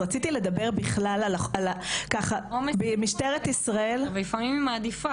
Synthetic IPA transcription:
ʁat͡sit̪ile̞d̪abe̞ʁbiχlalalalakaχaombemiʃt̪eʁet̪isʁae̞lvelifamimmaːd̪ifa

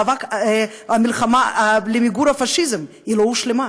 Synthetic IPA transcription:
avakamilχamalemiɡuɾhafaʃizem | ilouʃlema

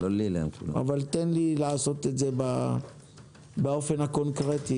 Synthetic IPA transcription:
lolilḛmkṵla̰a̰valt̪enlilaːso̞t̪etzeba | bao̞fe̞nako̞nkʁet̪i

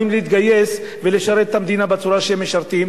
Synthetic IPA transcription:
imleit̪ɡajes | veleʃaɾet̪̚ːamd̪inabat͡suɾaʃehemːeʃaɾt̪im

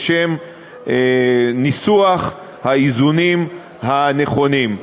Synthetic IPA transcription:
ʃem | enisuaχ | haizunim | hane̞χo̞nim

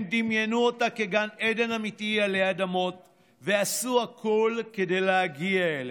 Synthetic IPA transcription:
d̪imjenuot̪akeɡaned̪e̞namit̪ialead̪amo̞t | ve̞asuakʰolked̪ejleaɡiaele

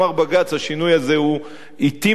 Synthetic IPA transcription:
aʁbaɡat͡shaʃinujazeu | it̪i

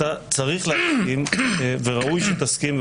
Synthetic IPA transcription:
at͡saʁiχleaskimveʁaʔujʃet̪askiml

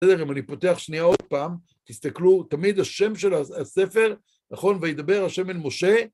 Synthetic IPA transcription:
ede̞ʁimanipo̞t̪e̞aχʃniao̞d̪̚paːm | t̪ist̪aklut̪amid̪haʃe̞mʃe̞laase̞fe̞ʁ | naχo̞nvajed̪abe̞ʁaʃe̞melmo̞ʃe̞

